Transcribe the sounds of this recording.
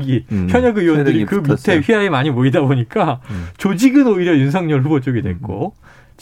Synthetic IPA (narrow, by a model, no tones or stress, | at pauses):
ɡipʰjʌɲʌɡɯiwʌndɯɾikɯmtʰe̞ɸɥiaemaɲimoidaboɲik͈at͡ɕod͡ʑiɡɯnoiɾjʌɯns̬ʰʌŋɲʌɯɭɦubʌt͡ɕ͈oɡidwe̞̰k͈o | t͡ɕ